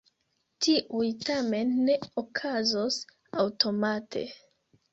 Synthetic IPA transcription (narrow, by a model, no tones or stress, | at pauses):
tiʔujtame̞nːe̞okʰazos | awto̞matʰe̞̰